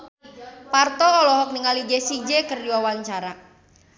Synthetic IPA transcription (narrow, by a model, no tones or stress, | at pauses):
part̪ɔːlɔɦɔk̚niŋalid͡ʒesid͡ʒekərdiwawaɲt͡ʃaɾa